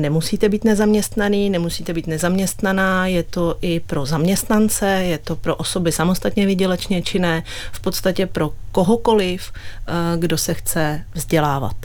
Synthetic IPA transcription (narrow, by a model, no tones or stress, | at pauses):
nɛmusiːt̪ɛbiːt̪nɛzamɲɛst̪naniːnɛmusiːt̪ɛbiːt̪nɛzamɲɛst̪nanaːjɛt̪o̞ʔɪpɾo̞zamɲɛst̪nant͡sɛjɛt̪o̞pɾo̞ʔoso̞bɪsamo̞st̪at̪ɲɛvɪɟɛlɛt͡ʃɲɛt͡ʃɪnɛ | fpo̞t̪st̪acɛpɾo̞ko̞ɦo̞ko̞lɪf | ɡdo̞sɛxt͡sɛvzɟɛlaːva̰t̪